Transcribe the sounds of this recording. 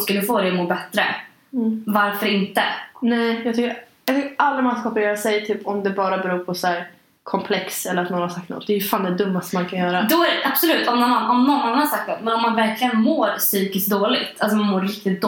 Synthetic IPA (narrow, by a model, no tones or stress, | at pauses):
skald̪əfoːd̪ɛmoːɾbɛt̪ːɾə̰ | vaɾfœɾɪnt̪ənɛjjɑɡt̪ʰʏkːəɾjɑɡt̪ʏkːəalːamanskaɔpəɾeːɾasɛjt̪ʰyːpɔmd̪ɛbɑːɾabɛɾuːɾpʰɔsæːɾ | kʰɔmpʰlɛksɛlːəɾat̪nɔɾnhasakt̪nɔ̰t̪̚ːd̪ɛjfaːnd̪ɛd̪ɵmːast̪mankʰanjœːɾad̪ɔæɾʔab̥sɔlʉ̟ːt̪ɔmnɔnanɔmnɔnːɔnaɾsak̚t̪nɔt̪mɛnɔmːanvæɾkʰlɪɡənmoːɾsyːkɪsk̚d̪oːlɪɡt̪ʰalsɔmanmoːɾɾɪkt̪ɪt̪̚d̪